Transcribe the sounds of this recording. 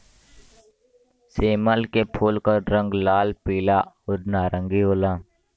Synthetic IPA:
seːməlkepʰuːlkəɾɾə̃ŋɡlaːlpiːla | ʊɾnaːɾəŋɡioːlãː

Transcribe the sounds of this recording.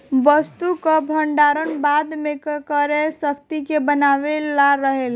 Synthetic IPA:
ʋəst̪ukabʱəɳɖaɾənbad̪mẽkkəɾesəkʰt̪ikebənaʋelaɾəɦel

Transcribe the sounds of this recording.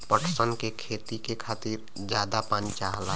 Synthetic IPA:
pəʈʰsənkekʰeːt̪ikekʰaːt̪iːɾ | d͡ʒjaːd̪apant͡ʃaːɦla

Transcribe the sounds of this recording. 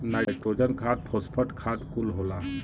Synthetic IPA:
naɽek̚ʈɾod͡ʒənkʰat̪̚pʰɔspʰəʈkʰat̪kulɦola

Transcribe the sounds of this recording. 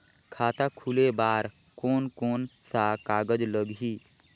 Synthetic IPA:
kʰaːt̪akʰulebaːɾ | koːnkoːnsakaːɡəd͡ʒləɡɦi

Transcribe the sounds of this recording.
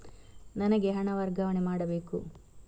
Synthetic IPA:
nɐnɐɡeɦɐɳɐʋɐɾɡɐʋɐɳemaːɽɐbe̞ːku

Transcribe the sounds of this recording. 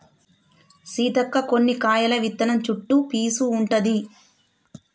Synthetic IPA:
siːd̪ɐkːɐkonːikaːjɐlɐʋit̪ːɐnɐmt͡ʃuʈːupiːsuːɳʈɐd̪i

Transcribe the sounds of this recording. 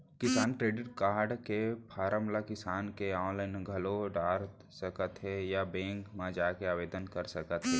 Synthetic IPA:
kɪsaːnkɾeːɖɪʈkaːɽkepʰaːɾəmlakɪsaːnkeɔːnlaːɪnɡʱɐloɖaːɾ | səkət̪ɦɛjabẽːŋkmãd͡ʒaːkeaːʋeːd̪ənkəɾsəkət̪ɦɛː

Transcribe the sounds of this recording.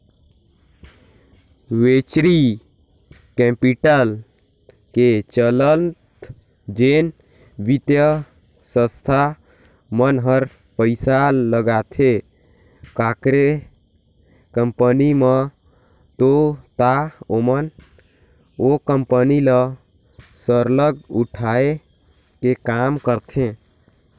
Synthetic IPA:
ʋet͡ʃɾi | kɛ̃piʈəl | ket͡ʃələnt̪ | d͡ʒen | bit̪jə | sə̃st̪ʰa | mənɦəɾ | pəɪsaləɡat̪ʰe | kakɾe | kəmpənimə | t̪ot̪aomən | okəmpənilə | səɾləɡuʈʰae | kekamkəɾt̪ʰẽ

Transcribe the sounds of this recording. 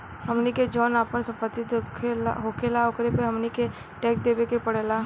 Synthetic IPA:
ɦɐmniked͡ʒɔːnaːpəɾsɐ̃mpət̪ːit̪kʰɦoːkelaokɾepeɦɐmnike | ʈeːk̚d̪eːbekepəɽeːla

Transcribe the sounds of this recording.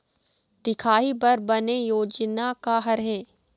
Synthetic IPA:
d̪ɪkʰaːibɐɾbɐnejoːd͡ʒnakaɦɐɾɦɛː

